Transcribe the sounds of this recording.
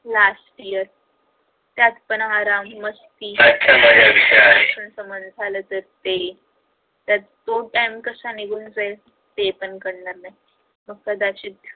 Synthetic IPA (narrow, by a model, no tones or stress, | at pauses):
lasʈijəɾ | t̪jat̪pənaɾamːəst̪iːsat̚kʰamaɾaʋisaaesənsəmənd̪d͡zʱalət̪əɾt̪e | t̪jat̪t̪oʈajmkəsaniɡuːnd͡zəe | t̪epəɳkəɽnaɾnaj | mək̚t̪ad̪at͡ɕit̪